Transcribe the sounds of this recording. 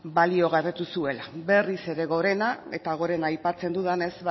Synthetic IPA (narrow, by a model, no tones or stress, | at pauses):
balio̞ɣaret̪usue̞labe̞rise̞ɾe̞ɣo̞ɾe̞nae̞t̪aɣ̞o̞ɾe̞naːjpat͡se̞nd̪uðane̞z